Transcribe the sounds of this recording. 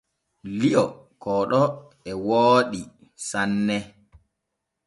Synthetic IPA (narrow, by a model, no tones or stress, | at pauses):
liɔ | kɔːɗɔ | ɛwoːɗi | sanːɛ